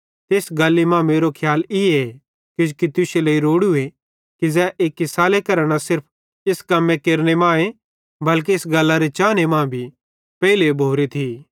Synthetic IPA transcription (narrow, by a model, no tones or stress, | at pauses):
t̪eːsɡɐlːemãːmeːɾokʰjaːlɪe | kɪd͡ʒkit̪ʊseleːiɾoːɽʊe | kizɛʔeːkɪsaːlekɐɾɽ̃asɪɾpʰ | ɪskɐmːẽkeːɾñemãːẽ | bɐlk̬eːsɡɐlːaɾet͡ʃaːnemãːbʱi | pɛːilebʱoːɾet̪ʰiː